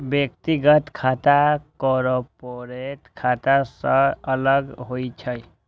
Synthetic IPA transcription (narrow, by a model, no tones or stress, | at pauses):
bjekt̪iɡʌt̪kʰat̪akɔɾɔpoɾet̪kʰat̪asʌʌlʌɡɦojt͡ʃʰʌj